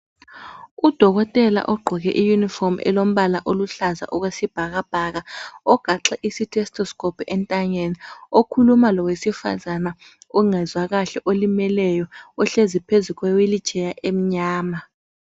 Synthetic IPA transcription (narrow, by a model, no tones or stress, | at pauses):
ud̥ʱɔɣɔtʼɛla̰ʔɔɡ͡ǃʱɔɣɛ̰ʔijunifɔrmɛ̰lom̩βalaʔoluɬaza̰ʔɔɣwesib̥ʱaɣab̥ʱaɣaɔɡ̥ʱaǁɛʔisitʰɛstʰʼɔskʼɔpʰɛntʼaŋeniokʰulumalɔwesifa̰zana | ɔŋɛzwaɣaɬɛʔolimɛlɛjɔɔɬezipʰezuɣwɛwelit͡ʃʰʼɛjaʔem̩ɲaːma